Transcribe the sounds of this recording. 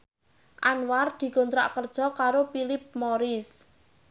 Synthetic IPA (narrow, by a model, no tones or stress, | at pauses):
ʔanward̪̥i̤kont̪ɾa̰ʔkərd̥ʒ̥ɔ̤kaɾopilɪp̚moɾɪs